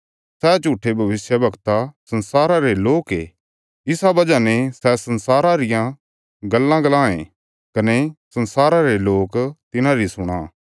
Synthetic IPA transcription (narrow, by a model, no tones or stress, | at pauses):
sɛt͡ʃuːʈʰːebʱɐʋɪsjəbʱɐkt̪asɐ̃nsaːɾaɾeloːke | ɪsabɐd͡ʒanesɛsɐnsaːɾaɾɪjã | ɡɐlːãɡɐlãːḛ̃ | kɐnesɐnsaːɾaɾeloːkt̪ɪnãɾisʊɽ̃a̰ː